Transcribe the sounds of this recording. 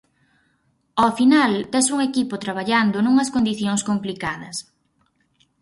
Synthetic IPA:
ofinalt̪ɛsuŋekipʊt̪ɾaβ̞aʎand̪ʊnuŋɐskond̪iθjoŋskomplikað̞ɐs

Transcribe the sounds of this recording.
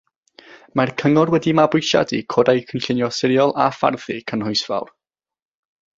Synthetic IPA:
markʰəŋɔrwɛdimabʊjʃa̰dḭkʰoːdajkʰənɬɪnjɔsɪɾjɔlˠafa̰rðɨkʰənhʊjsva̰wr

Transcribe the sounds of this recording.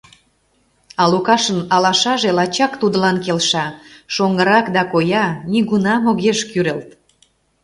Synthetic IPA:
ɑlukɑʃənɑlɑʃɑʒelɑt͡ɕɑkt̪ud̪əlɑnkelʃɑʃoŋɡəɾɑkd̪ɑkojɑniɣunɑmoɣeʃkyɾelt̪

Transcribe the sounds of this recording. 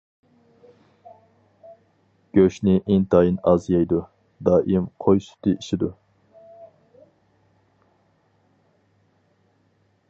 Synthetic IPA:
ɡ̥ʲøʃnɪʔeŋt̪ʰɑːjinɑzjɑjd̪u | d̪ɑːʔimqʰojsy̥t̪ʰɨʔiʃɪd̪u

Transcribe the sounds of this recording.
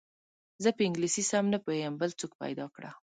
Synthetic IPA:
zəpəɪŋɡlisisamnapəejəmbəlt͡sokpa̰jd̪ɑkɽa̰

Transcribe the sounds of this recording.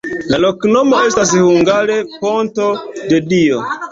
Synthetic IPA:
lalo̞kno̞mo̞e̞stas̬huŋɡaɾe̞po̞nto̞de̞dio

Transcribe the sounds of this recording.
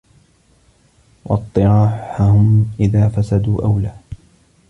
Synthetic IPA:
wʔɑt̪ˤːɨɾɑːħahʊmʔɪðaːfasad̪uːʔawlaː

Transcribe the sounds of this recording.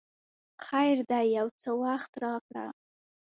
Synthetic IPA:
xajɾd̪ajːawt͡səwaxt̪ɾɑkɽa̰

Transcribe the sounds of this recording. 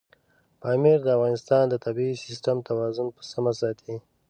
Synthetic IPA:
pɑːmiɾd̪əafɣɑnɪst̪ɑnd̪ət̪abisɪsʈamt̪awɑzʊnpə̥samasɑːt̪ʰi

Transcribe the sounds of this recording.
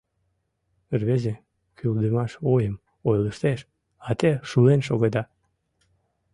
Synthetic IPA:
ərβeze | kyld̪əmɑʃojəm | ojləʃt̪eʃ | ɑt̪eʃulenʃoɣed̪ɑ

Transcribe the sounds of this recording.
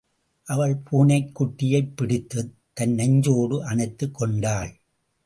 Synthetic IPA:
ʔɐʋɐɭpʰuːnɐɪkːʊʈːɪjɐɪpːɪɽɪt̪ːɯ | t̪ːɐnːɐɲd͡ʒoːɽɯʔɐnɐɪt̪ːɯkːɔɳɖaːɭ

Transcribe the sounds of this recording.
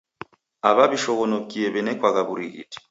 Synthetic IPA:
aβaβiʃɔɣɔnokiɛβɛnɛkwaɣaβuɾiɣḭti̥

